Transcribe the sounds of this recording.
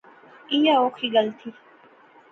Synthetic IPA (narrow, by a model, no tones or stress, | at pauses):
iːjaːoːkʰiːɡəlt̪ʰiː